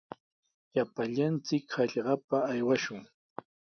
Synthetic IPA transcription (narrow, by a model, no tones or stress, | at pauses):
japaʎant͡sɪkhɑʎɢɑpaːjwaʃʊŋ